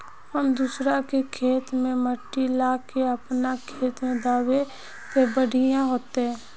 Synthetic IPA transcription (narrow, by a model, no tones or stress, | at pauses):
həmd̪usɾakekʰeːt̪mẽməʈːilaːkeəpnakʰeːt̪mẽd̪aːwe | sebəɽ̤ʱɪjãɦoːt̪eɦɛ̃ː